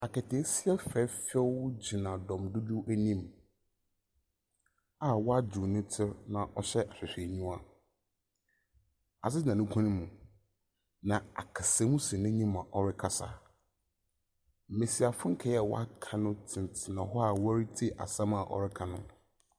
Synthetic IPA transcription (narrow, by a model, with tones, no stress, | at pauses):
a˨kɛ˨tʰe˨˦si˦ɛ˦fɛ˦fɛ˦wd͡ʑɪ˨nã˨dɔ̃˨mdʊ˦du˦ʔæ˦nĩ˦m | a˨wɔ˦a˦d͡ʑu˨nʊ̃˦tʰɪ˦ɾnã˨ʔɔ˦ɕɛ˦ʔa˨ɕᶣɪ˨ɕᶣe˨ɲũ˦a˦ | a̰˨s̬ɪ˦d͡ʑɪ˨nã˨nʊ̃˦kʷʰã˦nɪ̃˦mũ˨ | nã˨a̰˨kʰa˨sɛ˨˦mũ˦si˨nɪ̃˦ɲĩ˦m˨ã˨ʔɔ˦ɾɪ˦kʰa˦sa̰˨ | m̩˨mẽ˨si˨a˨fʊ̃˦ŋ̩˦kʰɛ˨˦jɛ˨wɔ̰˦a˦kʰa˦nʊ̃˦tʰɪ̃˨n˨tʰɪ˨nã˨ɦɔ˦a˨wɾi˦tʰi˦ʔa̰˨sã˦ma˨ʔɔ̰˦ɾɪ˦kʰa˦˨nʊ̰̃˦